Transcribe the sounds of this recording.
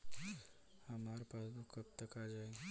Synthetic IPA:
həmaːɾpasbukəp̚t̪əkad͡ʒaːeɡ

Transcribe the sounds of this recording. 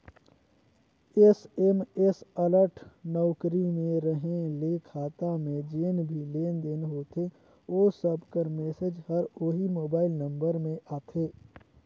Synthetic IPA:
esemesələɾʈʰnɔːkɾimẽɾəɦẽleːkʰaːt̪amẽd͡ʒeːnbʱileːnd̪eːnɦoːt̪e | oːsəbkəɾmɛːsed͡ʒhɐɾoːɦimoːbaːɪlnə̃mbəɾmẽʔaːt̪ʰeː

